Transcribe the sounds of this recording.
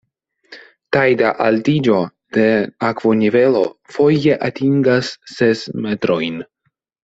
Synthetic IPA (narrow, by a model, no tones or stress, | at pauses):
tajdaʔaltid͡ʒo̞d̥e̞akvo̞nive̞lo̞fo̞je̞ʔatiŋɡasːe̞sme̞tɾo̞jn